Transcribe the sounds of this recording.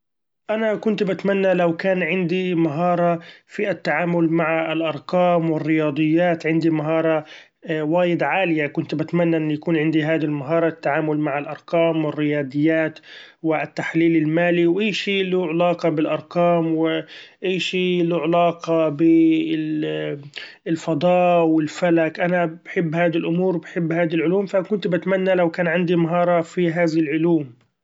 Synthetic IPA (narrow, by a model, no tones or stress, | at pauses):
ʔanakʊnt̪bat̪manːalawkaːnʕɪnd̪imaɦɑːɾˤɑfiʔat̪ːaʕaːmʊlmaʕaɪlʔɑɾˤqɑːmwɪrːɪjɑːd̪ˤɨjːaːt̪ʕɪnd̪imaɦɑːɾˤɑ | waːjɪd̪ʕaːlɪjakʊnt̪bat̪manːaʔɪnːjakuːnʕɪnd̪iɦaːd̪lmaɦɑːɾˤɑt̪ːaʕaːmʊlmaʕɪlʔɑɾˤqɑːmwɪrːɪjɑːd̪ˤɨjːaːt̪wɪt̪ːaħliːlɪlmaːliwʔaːʃiːluʕɪlɑːqɑbɪlʔɑɾˤqɑːmwɪʔiːʃiːluʕɪlɑːqɑbɪ | lfɑd̪ˤɑːʔwɪlfalakʔanabaħɪbːhaːd̪ilʔʊmuːɾwbɪħɪbːhaːd̪ilʕʊluːmfakʊnt̪bɪt̪manːalawkaːnʕɪnd̪imaɦɑːɾˤɑfiɦaːðɪlʕʊluːm